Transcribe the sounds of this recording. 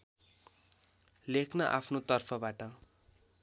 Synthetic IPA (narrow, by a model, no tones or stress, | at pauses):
lekʰnʌʔa̰pʰnot̪ʌrpʰʌbaʈʌ